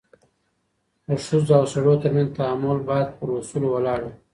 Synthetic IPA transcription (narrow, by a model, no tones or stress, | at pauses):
əʂuzd̪awsaɽot̪əɾmanzt̪aamʊlbɑjad̪̚pəɾusulowalɑɽu